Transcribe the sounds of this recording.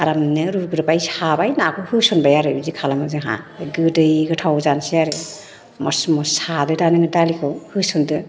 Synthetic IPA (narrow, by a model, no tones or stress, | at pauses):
aɾamnɯɾuɾɡɯɾapajshabajnakʰɯhɯsɔnbajaɾɯbizikʰalamɯzɯɦa̰ɡɯdɯjɡɯtʰawzansiaɾɯ | mɔsmɔsadɯdanɯŋɯdalikʰɯwhɯsɔndɯ